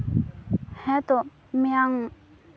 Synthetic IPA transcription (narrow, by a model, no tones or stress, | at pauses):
hɛt̪o | miaŋ